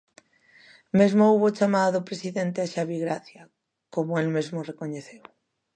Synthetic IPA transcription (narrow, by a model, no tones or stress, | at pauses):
mezmouβot͡ʃamaðaðopɾesiðent̪eaʃaβiɣɾaθja | komoelmezmorekoɲeθew